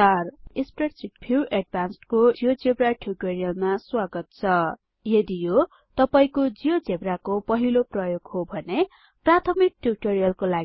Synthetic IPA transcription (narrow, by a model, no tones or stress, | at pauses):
t̪ʌrispreʈsiʈ̚pʰiwʔeɖ̚bʱansʈkoijod͡zebraʈʰjuʈoɾijʌlmaswaɡʌt̪̚t͡sʰʌ | jʌd̪ijo | t̪ʌpaĩkod͡zijod͡zebrakopʌɦiloprʌjoɡhobʱʌne | prat̪ʰʌmik̚ʈjuʈoɾijʌlkolaɡ